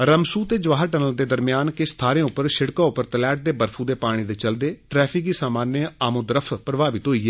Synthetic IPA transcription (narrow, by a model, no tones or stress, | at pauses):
ɾəmsuːt̪eːd͡ʒʋaːɦəɾʈənəld̪eːd̪əɾmɪjaːnkɪst̪ʰaːɾẽːʊpːəɾʃɪɽkãːʊpːəɾt̪əlɛːʈ̚d̪eːbəɾpʰuːd̪eːpaːɽ̃iːd̪eːt͡ʃəld̪eːʈɾɛːpʰɪkiːsaːmaːnːeaːmõːd̪əɾəpʰpɾəbaːbɪt̪ɦoːiːeː